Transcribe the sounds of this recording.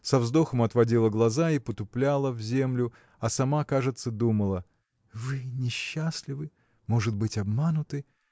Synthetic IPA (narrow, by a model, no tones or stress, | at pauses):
sɐvzd̪o̞xəmɐt̪vɐdʲilˠəɡlˠɐzaipət̪ʊplʲalˠəvzʲe̞mlʲʊ | ɐsɐmakaʐɨt̪səd̪uməlˠə | vɨnʲɪɕːaslʲɪvɨ | mo̞ʐɨd̪̚bɨtʲɐbmanʊt̪ɨ